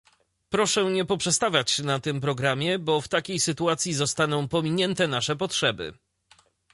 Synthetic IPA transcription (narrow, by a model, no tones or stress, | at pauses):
pɾɔʂɛɲɛpɔpʂɛst̪avʲjat͡ɕnat̪ɘmpɾɔɡɾamʲjɛbɔft̪akʲejsɘt̪uat̪sʲjizɔst̪an̪ɔ̃w̃pɔmʲiɲɛnt̪ɛnaʂɛpɔtʂɛbɘ̰